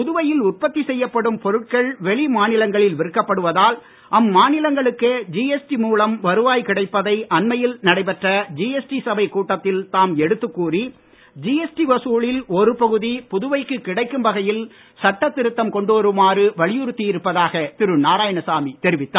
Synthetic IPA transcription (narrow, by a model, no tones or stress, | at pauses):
pʊðɯʋɐjɪlʊʈ̚pɐt̪ːisɛjːɐpːɐɽɯmpɔɾɯʈ̚kɐɭʋɛɭimaːnɪlɐŋɡɐɭɪlʋɪɾɯkːɐpːɐɽɯʋɐðaːl | ʔɐmːaːnɪlɐŋɡɐɭɯkːed͡ʒiːɛsʈimuːlɐmʋɐɾɯʋaːjkɪɽɐɪpːɐðɐɪʔɐnmɐjɪlnɐɽɐɪpɛʈrɐd͡ʒiːɛsʈisɐbɐɪkːuːʈːɐt̪ːɪlt̪aːmɛɽɯt̪ːɯkːuːri | d͡ʒiːɛsʈiʋɐsuːɭɪlɔɾɯpɐɣɯðipʊðʊʋɐɪkːɯkːɪɽɐɪkːɯmbɐɣɐjɪl | sɐʈːɐt̪ːɪɾɯt̪ːɐmkɔɳɖoʋɐɾɯmaːɾɯʋɐɭɪjɯɾɯt̪ːiɪɾɯpːɐðaːɣɐt̪ɪɾɯnaːɾaːjɐɳɐsaːmit̪ɛɾɪʋɪt̪ːaː